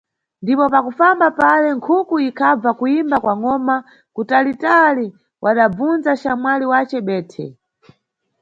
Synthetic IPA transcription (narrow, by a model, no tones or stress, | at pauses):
ndipɔpakufambapalɛŋkʰukuikʰab͡vakuimbakwaŋɔma | kutalitali | wʔaɗab͡vund͡zat͡ʃamwaliwat͡ʃɛɓɛːtʰɛ̰